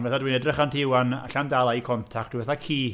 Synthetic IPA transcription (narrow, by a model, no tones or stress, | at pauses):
vɛθadwinɛdrəχantʰɪwana̰ɬandalˠaikʰɔntʰak̚td̥ʰuvɛθakʰiː